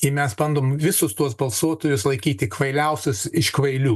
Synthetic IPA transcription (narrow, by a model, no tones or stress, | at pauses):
ɪmʲɛsbɐnd̪oːmʋʲɪsʊst̪uɔs̬bɐlˠsuɔt̪oːjʊslˠɐɪkʲiːt̪ʲɪkʋɐɪlʲɛʊsʲʊsɪʃkʋɐɪlʲuː